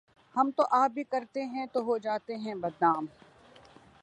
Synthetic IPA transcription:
hɐmt̪oʔaːp̚bʱikɐɾt̪eɦɛ̃t̪oɦod͡ʒaːt̪eɦɛ̃bɐd̪naːm

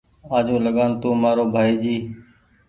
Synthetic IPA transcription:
aːd͡ʒũːləɠaːnt̪õːmaːɾoːbʱaːiːd͡ʒiː

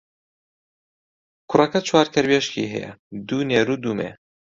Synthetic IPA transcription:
kʰʊrɐkɐt͡ʃʰwaːɾkʰɛɾbeʃkḭːɦɛ̰jɛ̰d̪uːneːɾuːd̪uːmḛː

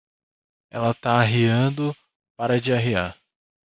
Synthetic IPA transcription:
ɛlɐt̪aːɦiɐ̃d̪ʊ | paɾɐd͡ʒɪaɦiaɾ

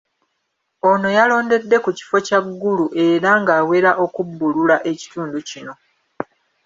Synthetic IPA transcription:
o̞no̞jalo̞ːnde̞dːe̞kuci̥fo̞caɡːuluʔe̞ɾaŋɡaːwe̞ɾaʔo̞kubːululaʔe̞ci̥tuːnducino̞

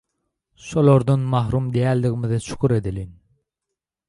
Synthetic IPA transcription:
ʃolˠoɾd̪ɔnmɑɦɾumd̪ijæld̪ɪɣɪmɪðɪʃʰy̥kʰuɾed̪ɪlin

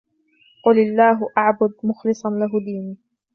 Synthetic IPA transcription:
qʊlalːaːɦʊʔaʕbʊd̪̚mʊxlɨsˤɑnlaɦʊd̪iːniː

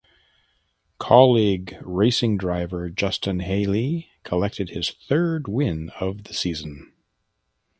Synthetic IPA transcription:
kʰɑlˠiɡɹeɪsɪ̃ŋdɹaɪvə˞d͡ʒʌstɨ̃nɦeɪlˠi | kʰəlɛk̚tʰɨd̚ɨz̥θɜ˞d̚wɪ̃nʌvðɨsizɨ̃n̩

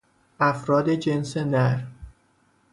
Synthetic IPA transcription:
ʔæfɾɒːd̪ed͡ʒensenæɾ

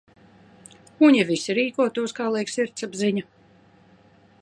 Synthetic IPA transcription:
uɲʲivisiɾiːkuɔt̪uɔskaːlˠɛjksiɾt̪sabziɲa

